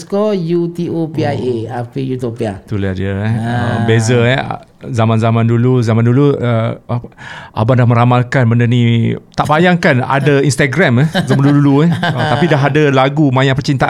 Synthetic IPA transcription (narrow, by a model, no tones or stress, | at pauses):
skɔjut̪iopiaʔeapijut̪opiat̪uladiəɛə̰bezəɛ̰zamãnzamãnduluzamãnduluə | ʔa̰bandahmə̃ɾamalkanbəndənit̪aʔbajaŋkana̰dainst̪aɡɾamɛzamanduduluɛhət̪apidaɦadalaɡumãjãʔpət͡ʃint̪aʔ